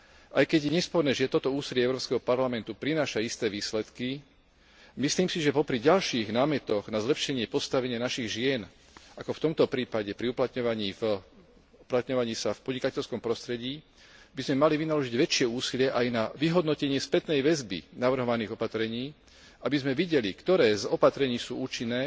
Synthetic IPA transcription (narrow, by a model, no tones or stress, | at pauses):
ʔajkɛɟɲɛspɔɾnɛːʒɪɛt̪ɔt̪ɔuːsilɪɛɛʊɾɔpskɛɦɔpaɾlamɛnt̪upɾinaːʃaist̪ɛːʋiːslɛt̪ki | misliːmsiʒɛpɔpɾiɟalʃiːɣnaːmɛt̪ɔɣnazlɛpʃɛɲɪɛpɔst̪aʋɛɲɪanaʃiɣʒɪɛn | ʔakɔft̪ɔmt̪ɔpɾiːpaɟɛpɾiuplat̪ɲɔʋaɲiːf | uplat̪ɲɔʋaɲiːsafpɔd̪ɲikacɛʎskɔmpɾɔst̪ɾɛɟiː | bizmɛmaliʋinalɔʒiɟʋɛt͡ʃɪɛuːsilɪɛʔajnaʋiɦɔd̪nɔcɛɲɪɛspɛt̪nɛjʋɛzbḭnaʋr̩ɦɔʋaniːɣɔpat̪ɾɛɲiː | abizmɛʋiɟɛlikt̪ɔɾɛːzɔpat̪ɾɛɲiːsuːuːt͡ʃinːɛː